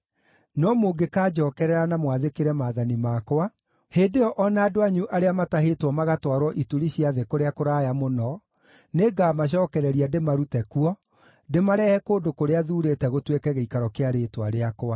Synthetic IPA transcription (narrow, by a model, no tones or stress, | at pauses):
nɔmoɡekaːd͡ʒɔkɛɾɛɾanamwaðekeɾɛmaːðanimakoa | heːndejɔʔɔnaːdoaɲuʔaɾeamataɦetwɔmaɣatwaɾwɔʔituɾiɕiaðekoɾeakoɾajamonɔ | neːɡamaɕ̬ɔːkɛɾɛɾiademaɾutɛkuɔ | demaɾɛhɛkoːndokoɾeaðuːɾetɛɣotwekɛɣeikaɾɔkeaɾeːtwaɾeakoa